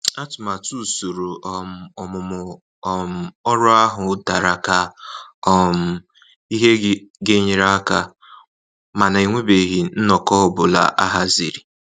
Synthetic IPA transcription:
a˦tʊ˨ma˨tu˦˨so˨ɾo˨ʔɔ˨m˨ɔ˨mʊ˨mʊ˨ | m̩˨ɔ˦ɾʊ˦a˦ɦʊ˨˦da˨ɾa˨ka˦ɔ˦m̩˨ | i˦ɦe˦ɡe˦ɲi˨ɾa˦ka˦ | ma˨na˨i˨ŋʷe˦be˨ɦi˨n̩˦nɔ˨kɔ˦ʊ˨bʊ˨la̰˨ʔa˦ɦa˦zi˨ɾi˨

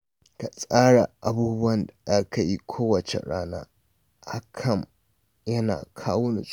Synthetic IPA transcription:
ka˨sʼaː˦ɽa˨ʔa˨buː˦bʊ˦wɐ˨nda˨ʔa˦ka˨ji˦kʷʰoː˦wɐ˨t͡ʃḛ˨ɽaː˦na̰ː˦ | ʔa˦kʰɐ˦˨m | jɐ˦na̰ː˨kʰaː˦wʊ˦ni˨sʼ

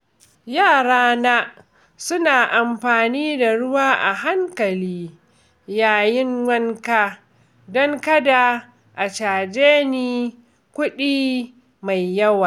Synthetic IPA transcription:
jaː˦˨ɽaː˦na˦ | sʊ˦naː˨ʔa˨mɸaː˨niː˦da˨ɽʊ˦waː˦ʔa̰˨ɦa˦ŋkɐ˨liː˦ | jaː˨jɪ˦ŋwɐ˦ŋkaː˦ | dɔ˦ŋkɐ˦da˨ | ʔa˨t͡ʃaː˨d͡ʒeː˦niː˦ | kʷʊ˦ɗiː˦ | ma˨jːɐ˦waː˨

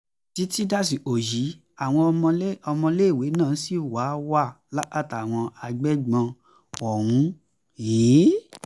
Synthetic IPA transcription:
ti˨˦ti˦da˦˨s̬i˨o˨ji˨˦ | a˨w̃ɔ̃˧˦ɔ˧mɔ̃˧le˦i˦˨we˨˦nãː˦˨˦si˦˨wa˨˦wa˦˨ | la˦ʔa˦˨ta˨w̃ɔ̃˧a˧ɡ͡bɛ˦ɡ͡bã˧ | ɔ˨ɾ̃ũ˧˦ | jiː˨˦

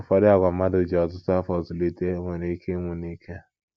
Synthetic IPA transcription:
fɔ˦dɪ˦a˨ɡʷa˨m˦a˦dʊ˨d͡ʒe˨ɔ˨tʊ˦ta˦fɔ˨zʊ˨li˦te˦ŋʷe˨ne˦ke˦ŋʷe˨ni˦kʰe˦˨

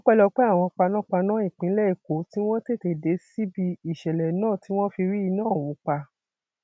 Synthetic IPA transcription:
ɔ̃˦k͡pɛ˦lɔ˧k͡pɛ˦a˦˨w̃ɔ̃˧k͡pa˧nã˦k͡pa˧nãː˦i˦˨k͡pĩ˨˦lɛ˦i˦˨ko˨˦ti˦w̃ɔ̃˦te˦˨te˨de˨˦si˦bi˧i˨ʃɛ˨lɛ˨nãː˦˨ti˨˦w̃ɔ̃˦fi˧ɾi˦i˧nãː˦˨wu˨˦k͡pa˧

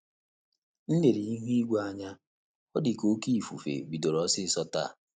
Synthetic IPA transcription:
n̩˦ne˨ɾi˨i˦ɦu˦i˦ɡʷa˦ɲa˦ | ɔ˦dɪ˨ko˦ki˦i˨fṵ˨fḛ˨bi˨do˨ɾɔ˨˦sɪ˦sɔ˦ta̰˦˨

